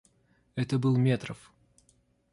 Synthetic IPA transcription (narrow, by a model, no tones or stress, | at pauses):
ɛt̪əbɨlˠmʲet̪ɾəf